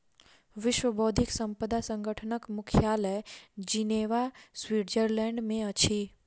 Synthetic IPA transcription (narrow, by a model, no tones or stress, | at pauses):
ʋɪʃwəboːd̪ʱɪksə̃mpəd̪asə̃ŋɡʱəʈʰənəkmʊkʰjaːləd͡ʒineːʋaswiːʈd͡ʒəɾlɛ̃ːɳɖmẽɐt͡ʃʰi